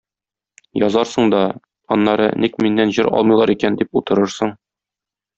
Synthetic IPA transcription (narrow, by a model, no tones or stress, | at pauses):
jɒzɑɾsɤ̆ɴd̪ɒ | ɒnːɑɾɤnikminːænʑɤɾɒ̰lˠmɤjlˠɑɾikænd̪iput̪ɤ̆ɾɤɾsɤɴ